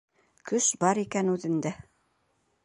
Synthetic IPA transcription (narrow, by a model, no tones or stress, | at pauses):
kɵʃbɑɾikænʉðɘ̆nd̪æ